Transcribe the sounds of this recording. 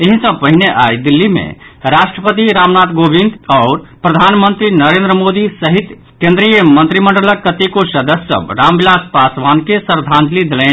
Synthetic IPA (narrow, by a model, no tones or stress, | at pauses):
eɦisə̃pəɦineʔajd̪ilːimḛɾasʈɾəpət̪iɾamnat̪ɡobind̪ɔːɾpɾəd̪ʱanmənt̪ɾinəɾẽnd̪ɾəmod̪isəɦit̪ | kẽnd̪ɾijəmənt̪ɾiməɳɖələkːət̪ikosəd̪əssə̰bɾambilaspasʋankesəɾd̪ʱãnd͡ʒ̪lid̪elɛ̃